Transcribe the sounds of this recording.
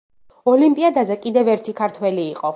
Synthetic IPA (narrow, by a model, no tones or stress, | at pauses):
ɔlimpʼiad̪azɛkʼid̪ɛvɛɾt̪ʰikʰaɾt̪ʰwɛliːqʼɔ